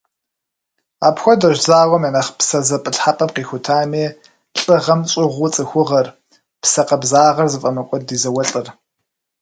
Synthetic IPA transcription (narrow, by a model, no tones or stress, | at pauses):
a̰ːpxʷɔdɐʒzaːʁɔmjanɐχpsɐzɐpʼɨɬħapʼɐmqiːxʷʊtʰaːmeː | ɬʼɨʁɐmt͡sʼɪʁʷʊt͡sʼɨxʷʊʁɐr | psɐqɐbzaːʁɐrzɨfʼɐmɐkʷʼɔdiːzɐwɐɬʼɨr